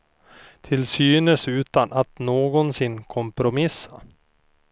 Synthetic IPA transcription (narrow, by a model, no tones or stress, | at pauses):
t̪ʰɪlsyːnəsʉ̟ːt̪anʔat̪noːɡɔnsɪnːkʰɔmpɾʊmɪsːa